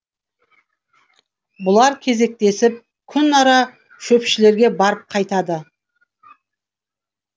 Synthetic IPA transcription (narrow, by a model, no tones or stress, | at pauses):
bʊlˠɑɾkʲʰe̞ze̞k̚t̪e̞sɪp̚ | kʲʰʏnɑɾɑ | ʃɵpʃɪle̞ɾɡʲe̞bɑɾəp̚qʰɑjt̪ɑd̪ə